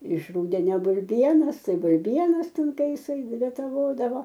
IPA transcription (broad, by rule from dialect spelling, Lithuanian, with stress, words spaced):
ɪʃ ˈruːdʲɛnʲɛ bʊlʲˈbʲiɛnɐs tɐɪ bʊlʲˈbʲiɛnɐs ˈtʲɛn ˈtɐɪ ˈjɪsɐɪ rʲɛtɐˈʋoːdɐʋoː